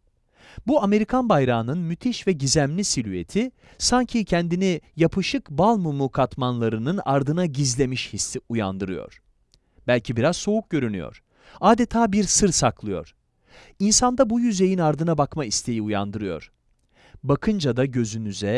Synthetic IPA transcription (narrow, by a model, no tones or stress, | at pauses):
buame̞ɾikʰanbajɾaːnɯnmyt̪ʰiʃvɛɟizæmlʲisilʲye̞̰t̪ʰi | saɲcʰicʰɛnd̪inijapʰɯʃɯkbalˠmumukʰat̪manlˠaɾɯnɯna̰ɾd̪ɯnaɟizlʲe̞miʃhisiuja̰nd̪ɯɾɯjo̰ɾ̥ | b̥ælʲcʰibiɾaz̥so̞uk̚ɟø̞ɾynyjo̰ɾ̥ | aːd̪e̞t̪ʰaːbiɾsɯɾsaklˠɯjo̞̰ɾ̥ | insand̪abujyze̞jinaɾd̪ɯnabakmaist̪ʰe̞jiuja̰nd̪ɯɾɯjo̞̰ɾ̥ | bakʰɯnd͡ʒad̪aɟø̞zynyzɛ